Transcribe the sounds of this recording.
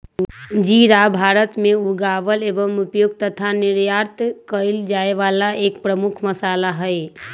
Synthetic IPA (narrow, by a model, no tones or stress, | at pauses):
d͡ʒiɾabʱaɾət̪meuɡaʋəlebəmupjoɡ̚t̪ət̪ʰaniɾjaɾt̪ʰkəɪld͡ʒaeʋalaʔekpɾəmukʰməsalaɦəj